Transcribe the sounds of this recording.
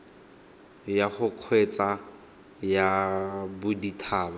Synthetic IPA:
jaχʊq͡χʰwet͡sʼa | jabʊditʰaːba

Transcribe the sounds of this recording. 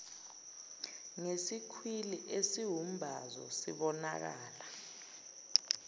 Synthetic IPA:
ŋesikʰwiliʔesiwum̩bʱazɔ̰sḭɓɔna̰k̬aːla

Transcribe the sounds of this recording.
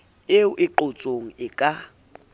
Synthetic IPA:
ɪʊʔɪǃot͡sʼoŋ̩ɪkʼa

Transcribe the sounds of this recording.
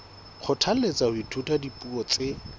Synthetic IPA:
q͡χʰʊtʰal̩let͡sahʊitʰutʼadipʼuɔt͡sʼe

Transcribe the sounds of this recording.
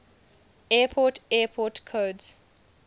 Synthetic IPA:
ɛːpʰɔtɛːpʰɔtkʰoːdz̥

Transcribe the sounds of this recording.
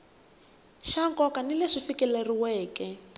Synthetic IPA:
ʃaŋkɔkanileʂifikɛleriwɛːkɛ

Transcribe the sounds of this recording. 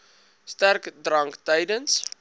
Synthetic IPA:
stærkdrɐŋktəjdəns

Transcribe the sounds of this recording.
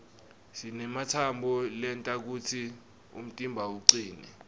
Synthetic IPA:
sinɛmatʰambʱɔlɛntʼak̬utʰi | ṵm̩tʼimbʱauǀiːnɛ

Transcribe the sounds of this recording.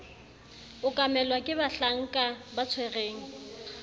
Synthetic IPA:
ʊkʼamɛlwakʼɪbaɬaŋ̩kʼabat͡sʰwɛreːŋ̩

